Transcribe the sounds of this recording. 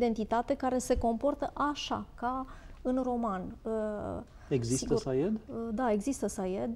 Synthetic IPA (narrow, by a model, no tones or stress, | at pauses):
d̪e̞nt̪it̪at̪e̞kaɾe̞se̞ko̞mpo̞rt̪əʔaʃa̰kaɨnro̞manə | eɡzist̪əsajed̪d̪ae̞ɡzist̪əsajed̪